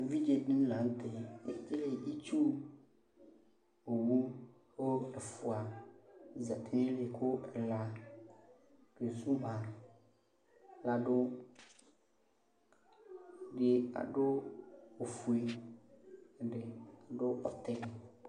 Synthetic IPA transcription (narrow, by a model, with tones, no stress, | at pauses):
vi˦d͡ʒe˨ɖĩ˦la˨n̩˦t̪e˨e˦te˦le˨ʔi˦t͡ʃu˦ | o˨wu˦ | wo˦e˨fu˨a˨ | za˨t̪ʰe˦nẽ˦le˨kʰo˦ɛ˨la˨ | ke˨zu˦ɦã˨ | la˨ɖo˦˨ | ɖe˨a̰˨ɖo˦o˨fu˨e˨ | ɖe˨a˨ɖo˦ɔ˦t̪ɛ˦n˨